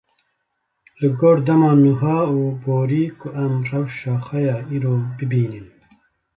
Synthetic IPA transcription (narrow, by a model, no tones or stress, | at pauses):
lɨɡoːɾd̪ɐmɑːnuɦɑːuːboːɾiːkuʔamrɐwʃɑːxɐjɑːiɾoːbɨbiːnin